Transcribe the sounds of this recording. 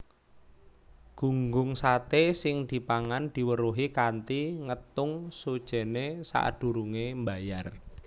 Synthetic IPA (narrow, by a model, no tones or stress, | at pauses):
ɡ̥ṳŋɡʊŋsat̪esɪŋd̪̥i̤paŋand̪̥i̤wəɾuɦikant̪iŋət̪ʊŋsud̥ʒ̥ɛ̤nesa̰ʔd̪̥ṳɾuŋembajar